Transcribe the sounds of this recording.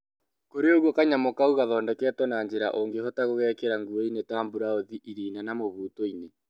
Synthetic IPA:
koɾeoɣwɔkaɲamokauɣaðɔːndɛkɛtwɔnaɲd͡ʑeɾa̰ʔoŋɡehɔtaɣoɣɛːkeɾaŋɡuoinetaːmbuɾaoðiʔiɾiːnanamoβuːtoine

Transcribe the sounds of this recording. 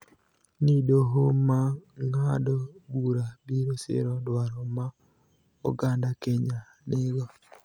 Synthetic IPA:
nidoɦomaŋadɔbuɾabiɾosḛɾɔdwaɾɔma | o̰ɡandakeɲa | neɡwa

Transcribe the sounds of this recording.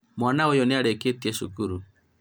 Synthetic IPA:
mwanaɔjɔnɛaɾɛketiɛʃukuɾu

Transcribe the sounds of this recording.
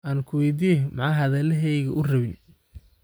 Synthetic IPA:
ʔaːnkʰʊwɛjd̪ijɛmɑʕɑːɦɐðɛːlɐɦɛjɣɐʔʊrɐβɪn

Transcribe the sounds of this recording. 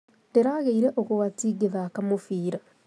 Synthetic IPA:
deɾaɣeiɾeʔokoɣatiːɡeðakamofiːɾa

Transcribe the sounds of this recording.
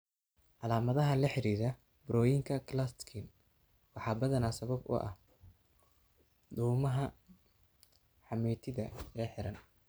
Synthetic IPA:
ʔɑlaːmɐðɐɦɐlɐħɪɾiːɾɐ | bɾɔːjɪŋkʰɐkʰlast̪kʰɪn | wɑħɑːbɐðɐnaːsɐβɐbʊ̰ʔɐ̰h | d̪uːmɐɦɐ | ħɑmɛːt̪ʰɪðɐlɛːħɪɾɐn

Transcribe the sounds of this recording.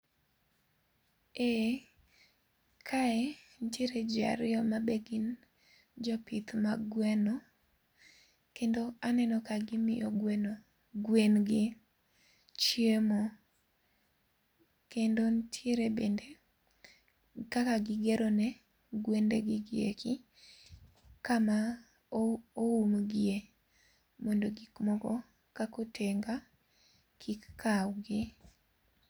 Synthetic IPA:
e | kʰaentjeɾed͡ʒa̰ɾɪjɔmabeɡin | d͡ʒɔpit̪maɡwɛno | kendoanɛnɔkaɡɪmɪjɔ̰ɡweno | ɡwenɡɪ | t͡ʃjemo | kendontʰjeɾebende | kakaɡɪɡɛɾonɛ | ɡwendeɡɪɡɪḛkɪ | kama | oumɡɪe | mɔndoɡikmɔkɔ | kakotʰeŋɡa | kʰɪkkʰawɡɪ

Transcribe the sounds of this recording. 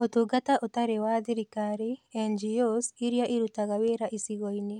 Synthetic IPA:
ot̪uɡataʔot̪aɾewad̪ɪɾikaɾiɛnd͡ʒiosiɾjaʔiɾut̪aɣaweɾaʔisiɣɔinɪ

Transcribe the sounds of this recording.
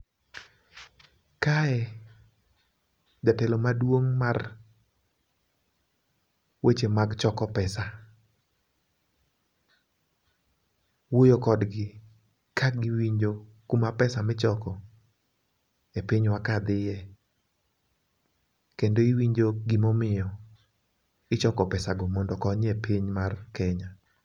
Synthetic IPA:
kaɛ | d͡ʒatɛlomadwoŋmar | wʔet͡ʃemaɡt͡ʃɔkɔpɛsa | wojokɔdɡɪ | kʰaɡiwiɲd͡ʒokumapɛsamɪt͡ʃɔkɔ | epiɲwakad̪ɪjɛ | kendoiwiɲd͡ʒoɡimomɪjɔ | ɪt͡ʃɔkɔpɛsaɡɔmɔndɔkɔɲepʰiɲmarkɛɲa

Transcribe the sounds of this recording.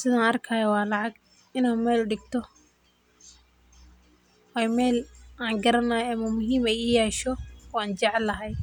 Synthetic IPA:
sɪðaːnɐrkʰɐːjɔwɑːlɑʕɑɡ | ɪnaːnmɛːlʊɖɪɡt̪ʰɔ | wɛːjmɛːlaːŋɡɐɾɐnɐːjɐmɐmʊɦiːmɛjʊjɛːʃɔwɑːnt͡ʃɛʕɛlːɐɦɛj

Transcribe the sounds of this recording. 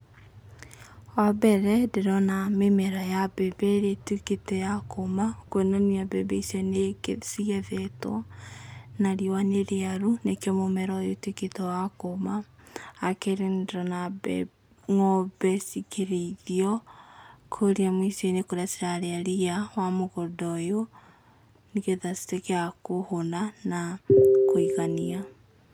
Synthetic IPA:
wabɛɾɛdeɾɔnamemɛɾajabɛbɛɾetiketɛjakomakwenaniabɛbɛisɛnekesiɛðɛtw | naɾiowaneɾeaɾunekjɔmomɛɾɔjotwiketɔwakomaː | keɾendɾɔnabɛ | ŋɔbɛsikeɾeiðiɔ | kʰoɾiamwisenekoɾasiɾaɾeaɾiawamoɣɔdɔjo | niɣeðasi̥tekeakohonanakoiɣania

